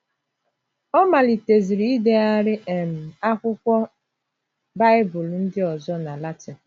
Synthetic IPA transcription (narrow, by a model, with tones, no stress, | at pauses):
ɔ˦ma˨li˨te˨zi˨ɾi˦i˦de˦a˦ɾɪ˦ʔe˨m̩˨a˦kʷʊ˦kʷɔ˦ | ba˦ɪ˦bʊ˨ln̩˦dɪ˦ɔ˨zɔ˦na˨la˦ti˨